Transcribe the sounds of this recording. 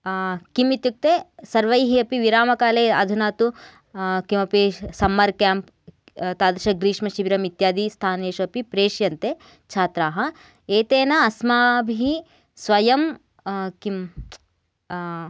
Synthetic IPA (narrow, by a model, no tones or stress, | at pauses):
kimit̪juk̚t̪esɐɾʋɐjɦiɐpiʋiɾaːmɐkaːleːɐ̰d̪ʱunaːt̪u | kimɐpesɐmːɐɾkjaːmp | t̪aːd̪ɾiʃɐɡɾiːʂmɐʃiʋiɾɐmit̪jaːd̪ist̪ʰaːneːʃɐpipɾeːʃjɐnt̪e | t͡ʃʰaːt̪ɾaːɦɐ | eːt̪eːnɐɐsmaːbʱii | sʋɐjɐm | kim